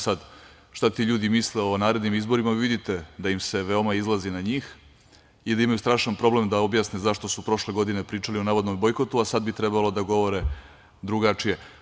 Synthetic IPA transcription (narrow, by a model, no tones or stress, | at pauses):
sad̪ | ʃt̪at̪iːʎuːd̪imisleo̞naːɾe̞d̪nimizbo̞ɾimaʋid̪it̪e̞d̪ajimse̞ʋe̞o̞maizlˠazinaɲiːx | id̪aimajust̪ɾaːʃanpɾo̞ble̞md̪ao̞bjaːsnezaʃt̪o̞supɾo̞ʃle̞ɡo̞d̪ine̞pɾiːt͡ʂalio̞naːʋod̪nombo̞jko̞t̪uasad̪̚bit̪ɾɛbalod̪aɡo̞ʋo̞ɾe | d̪ɾuɡat͡ʂije̞